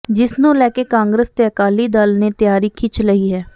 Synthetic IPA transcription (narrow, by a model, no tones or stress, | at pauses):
d͡ʒɪsnũːlɛːkeːkãːŋɡɾəst̪eːəkaːliːd̪alneːt̪ɪjaːɾiːkʰɪt͡ʃʰləiːɦɛː